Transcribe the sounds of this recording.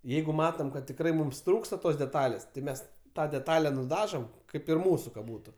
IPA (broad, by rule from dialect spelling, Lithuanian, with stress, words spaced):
ˈjɛɪɡʊ ˈmɑːtoːm kɐt tʲɪkˈrɐɪ ˈmʊms ˈtruːkstɐ ˈtoːs dʲɛˈtɑːlʲeːs tɐɪ ˈmʲɛs ˈtɑː dʲɛˈtɑːlʲɛ nʊˈdɑːʒoːm ˈkɐɪp ɪr ˈmuːsʊ kɐ ˈbuːtʊ